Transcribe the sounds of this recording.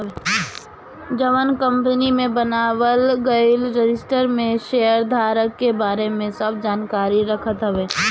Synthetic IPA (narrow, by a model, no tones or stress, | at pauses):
d͡ʒɐʋənkɐ̃mpənimẽbɐnaːʋəlɡəlɾɪd͡ʒɪsʈəɾmẽʃeːəɾd̪ʱaːɾəkːebaːɾemẽsɐb̚d͡ʒaːnkaːɾiɾɐkʰət̪ɦɐʋeː